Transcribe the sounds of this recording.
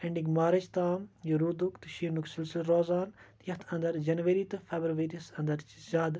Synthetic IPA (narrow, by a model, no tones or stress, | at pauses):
ɐɳɖiɡmaːɾɐt͡ʃt̪aːmjɐɾud̪ukt̪ɨʃiːnuksilsilɾoːzaːnt̪jɐht̪ʰɐnd̪ɐɾd͡ʒɐnʋɐɾiːt̪ɨfʰeːbɾuʋeːɾisɐnd̪ɐɾt͡ʃzʲaːd̪